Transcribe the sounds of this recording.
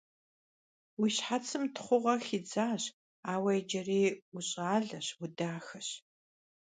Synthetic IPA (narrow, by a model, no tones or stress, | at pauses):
wiɕħat͡sʰɨmtʰχʷʊʁɐxid͡zaːɕ | aːwɐjd͡ʒɐriːʊɕʼaːɮɐɕwʊdaːxɐɕ